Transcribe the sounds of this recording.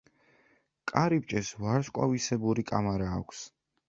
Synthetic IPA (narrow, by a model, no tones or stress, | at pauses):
kʼaɾip̚t͡ʃʼɛsvaɾskʼa̰visɛbuɾikʼamaɾaːkʷʰs